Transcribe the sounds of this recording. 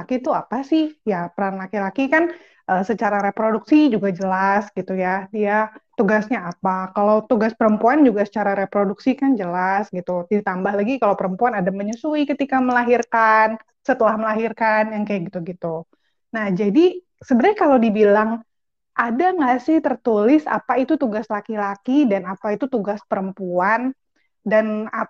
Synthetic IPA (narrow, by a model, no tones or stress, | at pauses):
akit̪uapasɪhjapəɾanlakilakikan | ʔəsət͡ʃaɾaɾepɾoduksid͡ʒuɡad͡ʒəlasɡ̥it̪ujadijat̪uɡasɲaːpakalawt̪uɡaspəɾəmpuand͡ʒuɡasə̥t͡ʃaɾaɾepɾoduksikand͡ʒəlasɡit̪udit̪ambahlaɡikalawpəɾəmpuanadaməɲusuikət̪ikaməlaɦirkan | sət̪əlahməlaɦirkanjaŋkajɡit̪uɡit̪u | nahd͡ʒadi | səbəɾajkaladibilaŋ | ʔadaŋasɪht̪ərt̪ulɪsa̰pait̪ut̪uɡaslakilakidanapait̪ut̪uɡaspəɾəmpuan | dana